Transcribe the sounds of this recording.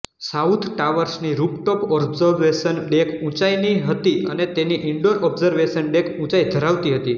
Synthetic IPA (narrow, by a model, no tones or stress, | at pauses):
saut̪ʰʈaʋəɾsniɾupʈɔpɔbzəɾʋeʃənɖekʰũt͡ʃajniɦət̪iə̰net̪eniʔɪɳɖoɾɔbzəɾʋeʃənɖekʰũt͡ʃajd̪ʱəɾaʋt̪iɦət̪i